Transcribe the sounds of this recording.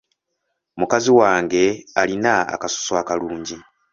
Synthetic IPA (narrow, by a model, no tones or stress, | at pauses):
mukaziwaːŋɡe̞alinaa̰kaso̥swaːkaluːɲɟi